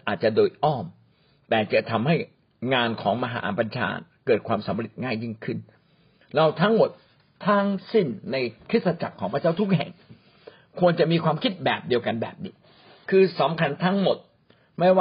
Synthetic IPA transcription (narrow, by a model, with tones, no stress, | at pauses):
ʔaː˨˩t̪̚t͡ɕa˨ʔdoː˧jʔɔː˥˩m | t̪ɛː˨˩t͡ɕa˨˩t̪ʰa˧mha˥˩j | ŋaː˧nkʰɔː˩˦ŋma˧ɦa̰ː˩˦˩pa˧nt͡ɕʰa̰ː˧kɤː˨˩t̪̚kʰwaː˧msa˨˩˦mɾe˨˩t̪̚ŋaː˥˩jːi˥˩ŋkʰɯ˥˩n | ɾa˧˩wt̪ʰa˦˥ŋmo˨˩t̪̚ʰː | aː˦˥ŋsi˥˩nːa˧jkʰɾi˦˥t̪̚sa˧t͡ɕa̰˨˩kʰːɔː˩˦ŋpʰɾt͡ɕaː˥˩t̪ʰu˦˥k̚ɦɛ̰˨˩ŋ | kʰu˧ənt͡ɕa˨˩miː˧kwaː˧mkʰi˦˥t̪̚bɛː˨˩p̚di˧əwka˧nbɛ̰ː˨˩p̚niː˦˥ | kʰɯː˧sa˨˩˦mkʰa˧nt̪ʰa˦˥ŋmo˨˩t̪̚ | ma˥˩jwa˥˧